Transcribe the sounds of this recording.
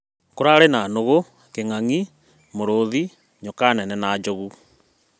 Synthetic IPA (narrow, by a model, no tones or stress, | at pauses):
koɾaɾenanoɣo | keŋaŋi | moɾoði | ɲɔkanɛnɛnaːd͡ʒoɣu